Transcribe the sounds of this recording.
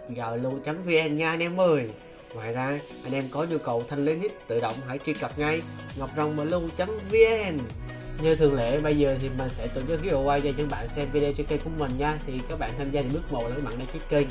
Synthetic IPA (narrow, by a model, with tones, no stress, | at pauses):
ɣaː˨˩wlu˧t͡ɕa˨˦mvi˧ʔɛ˧nɲaː˧ʔa˧nʔɛ˧mʔəː˨˩j | ŋwaː˨jzaː˧ʔa˧ŋʔɛ˧mkɔ˨˦ɲu˧kə˨˩wt̪ʰa˧jŋ̟le˨˦nhi˦˥t̚t̪ɨ̰˧˨ɗə̰˧˨wŋ͡mɦa̰˧˩jt͡ɕi˧kə˨˩p̚ŋa˧jŋa˨˩wk͡p̚za˨˩wŋ͡mmaː˨˩lu˧t͡ɕa˨˦mvi˧ʔɛ˧n | ɲəː˧t̪ʰɨ˨˩əŋlḛ˧˨ɓə˧jzəː˨˩t̪ʰi˨˩mä˨˩n̟sɛ̰˧˥t̪ṵ˨˧˩nzəː˨˦ɣi˨˦o˨˧˩waː˧jzaː˧ɲə̰˧˦ŋɓa̰ː˧˨nsɛ˧mvi˧ɗt͡ɕɔ˧kə˧jkʊ˧˥˦ŋ͡mmə˨˩nɲaː˧t̪ʰi˨˩kaː˦˥k̚ɓa̰ː˧˨nt̪ʰaː˧mzaː˧˨˩ɓɨ˦˥ək̚mo̰˨˩lːma̰˧˨nɗa˧t͡ɕu˦˥t̚kəː˧j